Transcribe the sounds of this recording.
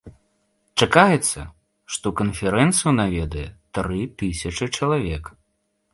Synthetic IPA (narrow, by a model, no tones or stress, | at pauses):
t͡ʂakajɛt̪sːɐ̰ | ʂt̪ɔkɐnfʲɛɾɛnt̪sɨjunavʲɛd̪ɐjɛt̪ɾɨt̪ɨsʲɐt͡ʂɨt͡ʂɐlˠavʲɛk